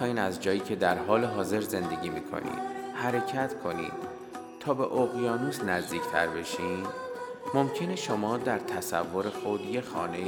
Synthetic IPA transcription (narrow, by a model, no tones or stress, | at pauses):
iːnæzd͡ʒɒːjiːcʰe̞d̪æɾɦɒːle̞ɦɒːze̞ɾze̞nd̪e̞ɟʲiːmiːkʰo̞̰nḭd̪̥hæɾe̞cʰæt̪ʰkʰo̞nḭn | t̪ʰɒːbe̞ʔoɣjɒːnuːsnæzd̪iːcʰt̪ʰæ̰ɾbe̞ʃiːn | mo̞mcʰe̞neʃo̞mɒːd̪æɾt̪ʰæsæ̰vːo̞ɾe̞xo̞d̪je̞xɒ̰ːne